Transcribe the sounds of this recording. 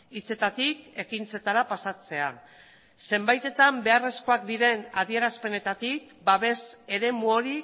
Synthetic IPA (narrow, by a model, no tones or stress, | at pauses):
it͡se̞t̪at̪ike̞kint͡se̞t̪aɾapasat͡se̞a | se̞mbajt̪e̞t̪ambe̞are̞sko̞akd̪iɾe̞nað̞ie̞ɾaspe̞ne̞t̪at̪ik | baβe̞se̞ɾe̞muo̞ɾi